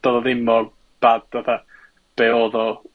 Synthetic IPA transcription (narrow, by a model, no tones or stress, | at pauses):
d̥ɔðɔðɪmɔ | b̥ad̚aθa | b̥eːoːðɔ